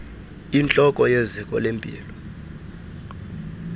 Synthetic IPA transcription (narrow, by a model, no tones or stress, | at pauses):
int͡ɬʼɔkʼɔjezikʼɔlempʼḭːlɔ